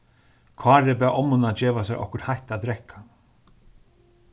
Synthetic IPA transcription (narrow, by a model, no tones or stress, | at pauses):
kʰvɑːɾɪb̬ɛːʔɔmʊnad͡ʒɛːʋasɛɾʔɔ̰hkʊɾt̪hajht̪ad̪ɾɛhkʰa